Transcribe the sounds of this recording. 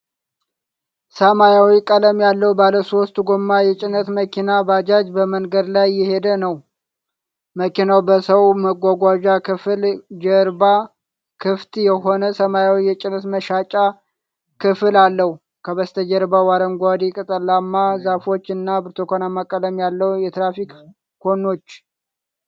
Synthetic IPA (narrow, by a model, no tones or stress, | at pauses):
səmajawikʼələmjalːəhbaləso̞st̪uɡomːajɛt͡ʃʼɪnət̪məkʰinabad͡ʒad͡ʒbəmənɡəd̪lajːɪhe̞d̪ənəw | məkinawbəsəwməɡʷaɡʷad͡ʒakɨfld͡ʒəɾba | kʰɨft̪jɛɦo̞nəsəmajawijɛt͡ʃʼɪnːət̪məʃat͡ʃʼa | kʰɨfɨlalːəhu | kʰəβəst̪ʰəd͡ʒəɾbawaɾəŋɡʷad̪ikʼɨt̪ʼəlːamːazafo̞t͡ʃːɨnːabɨɾt̪ʰokʰonamːakʼːələmjalːəwjɛt̪ɾafik | ko̞no̞t͡ʃː